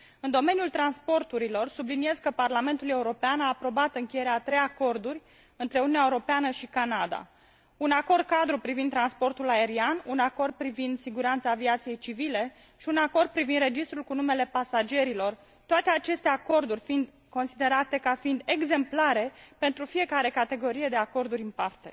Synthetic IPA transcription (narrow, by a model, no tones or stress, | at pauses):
ɨnd̪o̞me̞njult̪ɾanspo̞rt̪uɾilo̞rsublinie̞zkəparlame̞nt̪ule̞uɾo̞peanaːpɾo̞bat̪ɨŋkʲeje̞ɾeat̪ɾe̞jako̞rd̪urʲ | ɨnt̪ɾeununʲːaeuɾo̞peanəʃikanad̪a̰ | unako̞rd̪̚kad̪ɾupɾivind̪ɾanspo̞rt̪ulae̞ɾianunako̞rd̪̚pɾivind̪siɡuɾant̪saːviat̪sije̞jt͡ʃivile̞ | ʃiunako̞rd̪̚pɾivind̪re̞d͡ʒist̪ɾulkunume̞le̞pasad͡ʒe̞ɾilo̞r | t̪oat̪e̞at͡ʃe̞st̪e̞ako̞rd̪urʲfind̪ | ko̞nsid̪e̞ɾat̪e̞kafind̪e̞ɡze̞mplaɾe̞pe̞nt̪ɾufije̞kaɾe̞kat̪e̞ɡo̞ɾije̞d̪e̞ako̞rd̪uɾʲɨnpart̪e̞̰